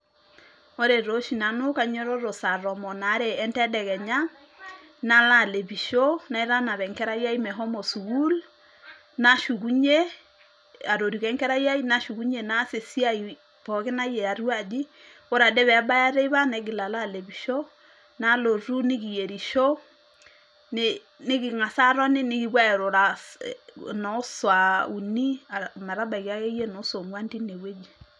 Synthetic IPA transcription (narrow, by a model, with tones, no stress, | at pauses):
o˦ɾe˨ɾo˦ʃi˨na˨no˦ka˨ɲɔ˦ɾo˦ɾo˨sa˨ɾɔ˨mɔ˨na˨˦ɾe˨ɛ˦ntɛ˦dɛ˨ɣɛ˨ɲa˦ | na˦la˦˨le˨βi˨ʃo˦na˨e˦ɾa˦na˨βɛ˨ŋkɛ˦ɾa˦ja˦i˦mɛ˨ɦɔ˦mɔ˨su˨ɣu˦l | na˦ʃu˨ɣu˦ɲe˦ | a˨ɾo˨ɾi˨kɛ˦ŋkɛ˦ɾa˦i˦a˦i˦na˦ʃu˨ku˦ɲe˨na˦se˨si˦a˦i˨ | pɔ˨kɪ˦na˦jɛ˨a˨ɾwa˦˨d͡ʒi˦ | o˦ɾa˨dɛ˦βɛ˨a˦ba˦ja˦ɾe˦βa˦nɛ˨ɡɪ˨la˨la˦˨le˨bi˨ʃo˦ | na˦lo˨ɾu˦nɪ˦ki˨je˨ɾi˨ʃo˦ | n | nɪ˦kɪ˨ŋa˨sa˦ɾɔ˦nɪ˦nɪ˦ki˨bwa˦ɛ˨ɾo˨ɾa˦ | nɔ˨˦swa˨u˨ni˦a˨ma˨ɾa˦ba˨i˨ka˦ke˦je˦nɔ˨˦so˨ŋwa˦nti˦ne˨we˦d͡ʒi˨